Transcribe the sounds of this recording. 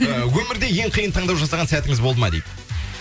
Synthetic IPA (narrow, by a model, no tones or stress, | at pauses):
wɵmɪɾd̪e̞je̞ɴqʰijənt̪ʰɑɴd̪ɑwʒɑsɑʁɑnsæt̪ɪŋɪzbo̞lˠd̪əmɑ̰d̪ḛjp̪